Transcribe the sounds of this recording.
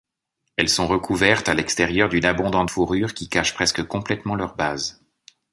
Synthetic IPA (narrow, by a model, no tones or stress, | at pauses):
ɛlsɔ̃ʁəkʰuvɛʁt̪alɛkst̪ɛʁjœʁd̪ynabɔ̃d̪ɑ̃t̪fuʁyʁkʲikaʃpχɛskəkɔ̃plɛt̪mɑ̃lœʁbaz